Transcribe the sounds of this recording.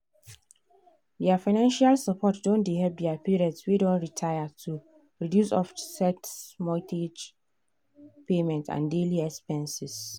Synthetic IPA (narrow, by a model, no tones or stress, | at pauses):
dɛafaɪnãnʃalsapʰɔtdõndiɦɛlp̚diapiɹɛdswidõntɹitʰaɪatʰu | ɹidjusɔ̰fsɛtsmɔ̃tʰed͡ʒ | pemɛ̃ntʰã̰ndeliɛkspɛ̃nsis